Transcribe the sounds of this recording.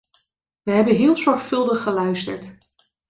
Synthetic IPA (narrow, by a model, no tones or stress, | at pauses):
ʋəɦɛbənɦɪːlˠzɔɹχfɵlˠdəχːəlœɥstəɹt